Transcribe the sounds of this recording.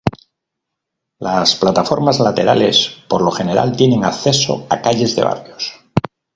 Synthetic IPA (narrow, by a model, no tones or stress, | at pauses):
lasplat̪afo̞ɾmazlat̪e̞ɾale̞spoɾlo̞xe̞ne̞ɾa̰lt̪je̞ne̞ŋakθe̞so̞̰akaʎe̞zðe̞̰βa̰rjo̞s